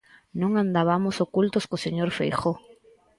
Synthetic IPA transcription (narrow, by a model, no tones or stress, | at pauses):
nõŋãnd̪aβamosokult̪oskoseɲoɾfejxo